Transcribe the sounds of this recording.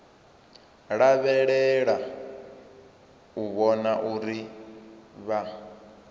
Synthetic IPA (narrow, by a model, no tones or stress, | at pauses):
ɺaβɛɺɛɺa | uβɔnaʔuɾi | βa